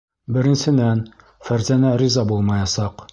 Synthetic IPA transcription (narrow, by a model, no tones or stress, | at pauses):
bɘ̆ɾɘ̆nsɘ̆d̪æn | fæɾzænæɾizɑbulˠmɑjɑsɑq